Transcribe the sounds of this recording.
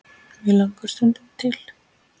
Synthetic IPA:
vɪlaŋkʏɾ̥st̪ʏnt̪ʏmt̪ʰɪl̥

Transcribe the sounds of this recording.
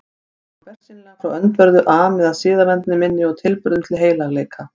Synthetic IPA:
vɛr̥sɪnɪlafɾawœnt̪vœɾðʏʔaːmɛðaðsɪːðaɾɛnt̪nɪmɪnːɪɔwt̪ʰɪlpʏɾðʏmt̪ʰɪlɦeːjlaɣleːjkʰa

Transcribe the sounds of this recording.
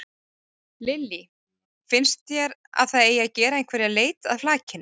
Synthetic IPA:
lɪlːi | fɪnst̪jɛɾa̰ðθaðeːjːacɛːɾaejnkʰvɛɾjaleːjt̪a̰ðflaːcɪn

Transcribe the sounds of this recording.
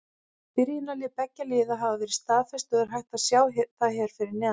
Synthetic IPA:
pɪɾjɪnalɪpɛcːaliːðaɦaːvavɪɾist̪aːðfɛst̪ʏðɛɾ̥ɦajht̪aðsjaːwθaðɦɛɾ̥fɪɾɪɾnɛː

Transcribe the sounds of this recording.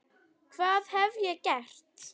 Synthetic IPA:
kʰvaːðhɛvjɛcɛr̥t̪

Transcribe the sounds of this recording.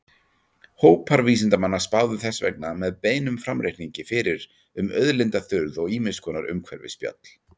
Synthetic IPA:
hoːwpʰaɾviːsɪnt̪amanːḁspaːwðʏθɛsvɛ̰knamɛðpeːjnʏmfɾamɾejhniɲcɪfɪɾɪɾ | ʏmœðlɪnt̪aθʏɾðɔɣiːmɪskʰɔːnaɾʏ̰mkʰvɛ̰ɾvɪ̰spja̰t̪l̥

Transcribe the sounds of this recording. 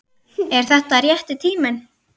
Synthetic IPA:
ɛɾ̥θɛht̪aɾjɛht̪ɪt̪ʰiːmɪn

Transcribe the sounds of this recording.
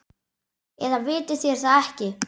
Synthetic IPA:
ɛðavɪːt̪ɪθjɛɾ̥θaɛhcɪ

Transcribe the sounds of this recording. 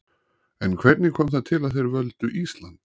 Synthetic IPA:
ɛnkʰvɛɾt̪nɪkʰɔːmθaðt̪ʰɪlaðθejɾvœlt̪ʏʔist̪lant̪

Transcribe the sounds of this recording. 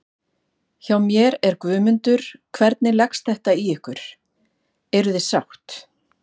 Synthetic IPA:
çawmjɛɾɛɾkvʏːmʏnt̪ʏɾ̥kʰvɛɾt̪nɪlɛkst̪θɛht̪aiɛhkʏɾ̥ | ɛɾʏðɪsawt̪

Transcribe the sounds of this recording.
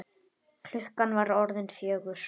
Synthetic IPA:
kʰl̥ʏhkanvaɾɔɾðɪnfjœːɣʏɾ̥

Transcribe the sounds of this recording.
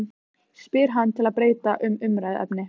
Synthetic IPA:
spɪɾ̥ɦanːt̪ʰɪlaðpɾeːjt̪aʔʏmʏmɾajðɛ̰pnɪ

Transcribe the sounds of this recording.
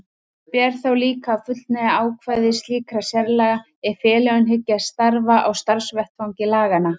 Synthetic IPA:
pjɛɾ̥θawliːkafʏt̪l̥t̪nɛðaaːwkʰvajðɪsliːkɾasjɛɾlaɣ | ɛ̥fɛːlɛʏnɦɪcːast̪aɾvaʔawst̪aɾsvɛht̪fawɲcɪlaːɣana

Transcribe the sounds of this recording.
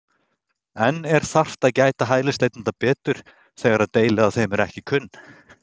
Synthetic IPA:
ɛnːɛɾ̥θar̥t̪aðcaːjt̪aɦaːjlɪst̪ejt̪nnt̪apɛːt̪ʏɾ̥ | θɛːɣaɾaðt̪eːjlɪaðθejmɛɾɛhcɪkʰʏnː

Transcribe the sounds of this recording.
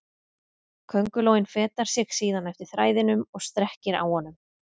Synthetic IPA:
kʰœŋkʏloːwɪnfɛːt̪aɾ̥sjɛxsiːðanɛft̪ɪɾ̥θɾaːjðɪnʏmɔɣst̪ɾɛhcɪɾa̰whɔnʏm

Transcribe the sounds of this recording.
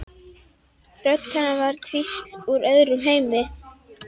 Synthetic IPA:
rœt̪kʰanːavaɾ̥t̪ʰviht̪uɾœðɾʏmɦeːjmɪ

